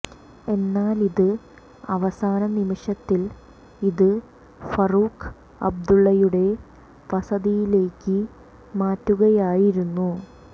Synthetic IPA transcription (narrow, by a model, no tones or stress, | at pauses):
e̞nːaːliðɨ | ɐʋɐsaːnɐnimiʂɐt̪ːil | iðɨ | fɐruːkʰ | ɐ̰b̚d̪uɭːɐjuɽe̞ | ʋɐsɐðijile̞ːkːɨ | maːtːuɣɐjaːjiɾunːu